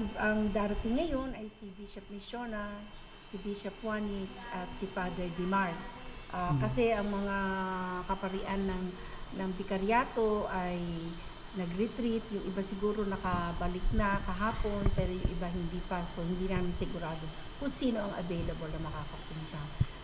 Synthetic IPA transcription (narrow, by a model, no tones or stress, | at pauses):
ɐŋd̪aːɾɐt̪ɪŋːɐjo̞nʔɐjsɪbiʃɐp̚mɪʃonɐ | sɪbiʃɐpwanɪt͡ʃʔɐt̪sɪfad̪ɛɹd̪ɪmaɹsʔakɐsɛʔɐŋmɐŋakɐpɐɾɪʔanːɐŋ | nɐŋbɪkɐɾjaːt̪o̞ʔaj | nɐɡɾɪt̪ɾit̪jʊŋʔɪbasɪɡuːɾo̞nɐkɐbɐlɪk̚nɐkɐɦaːpo̞npɛːɾo̞jʊŋʔɪbaɦɪnd̪iːpɐso̞hɪnd̪iːnaːmɪnsɪɡʊɾaːd̪o | kʊŋsiːno̞ɐŋʔɐ̰vɛjlɐbolnɐmɐkaːkɐpʊnt̪a